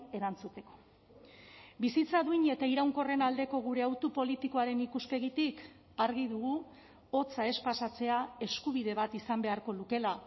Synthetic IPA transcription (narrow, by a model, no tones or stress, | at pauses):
e̞ɾant͡sut̪e̞ko̞̥ | bisit͡saðuiɲe̞t̪aiɾawŋko̞re̞nald̪e̞ko̞ɣ̞uɾe̞awt̪upo̞lit̪iko̞aɾe̞nikuspe̞ɣit̪ik | aɾɣiðuɣu | o̞t͡sae̞spasat͡se̞ae̞skuβ̞iðe̞βat̪isambe̞aɾko̞luke̞la